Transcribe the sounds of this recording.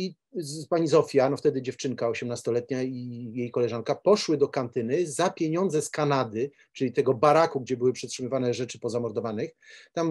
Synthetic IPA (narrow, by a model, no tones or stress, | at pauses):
i | paɲizɔfʲjanɔft̪ɛd̪ɘd͡ʑɛft͡ʂɘŋkaɔɕɛmnast̪ɔlɛt̪ɲaijejkɔlɛʐaŋkapɔʂwɘd̪ɔkant̪ɘnɘzapʲjeɲɔnd̪zɛskanad̪ɘ | t͡ʂɘlʲit̪ɛɡɔbaɾakuɡd͡ʑɛbɘwɘpʂɛtʂɘmɘvanɛʐɛt͡ʂɘpɔzamɔɾd̪ɔvanɘxt̪am